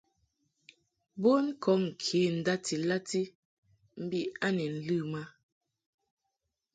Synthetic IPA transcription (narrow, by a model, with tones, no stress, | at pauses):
bo˦n̩˦kʰɔ˨˦ŋ̩˨kʰi˨˦n̩˨da˦ti˨la˦ti˦ | m̩˦bi˦a˦ni˨n̩˦lɨ˦˨ma˦